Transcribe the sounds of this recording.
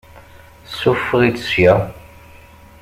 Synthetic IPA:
sufʁit͡ssjæ

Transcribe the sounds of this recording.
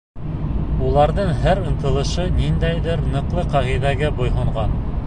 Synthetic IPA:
ulˠɑɾðɤɴɦæɾɤ̆nt̪ɤ̆lˠɤ̆ʃɤnind̪æjðɘɾnɤ̆qlˠɤqæʁiðæɡæbŏjɦŏɴʁɑn

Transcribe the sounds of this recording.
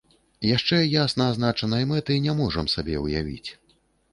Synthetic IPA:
jaʂt͡ʂɛjasnɐːznat͡ʂɐnɐimɛt̪ɨinʲɛmɔʐɐmsabʲɛwja̰vʲḭt͡sʲ

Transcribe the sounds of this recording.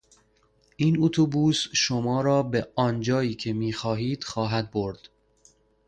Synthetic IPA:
ʔiːnut̪ʰubuːsʃomɒːɾɒːbeɒːnd͡ʒɒːiːcʰe̞miːxɒːɦiːd̪̥xɒːɦæd̪̚boɾd̪̥

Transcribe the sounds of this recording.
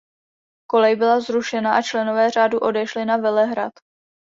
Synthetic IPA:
ko̞lɛjbɪlazɾuʃɛnaʔat͡ʃlɛno̞vɛːr̝aːduʔo̞dɛʃlɪnavɛlɛɦɾa̰t̪

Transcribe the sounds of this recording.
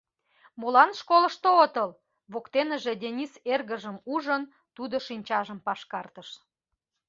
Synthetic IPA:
molɑnʃkolə̆ʃt̪oot̪əl | βokt̪enə̆ʒed̪ʲenʲiserɣəʒəmuʒən | t̪ud̪oʃinʲt͡ɕɑʒəmpɑʃkɑrt̪əʃ

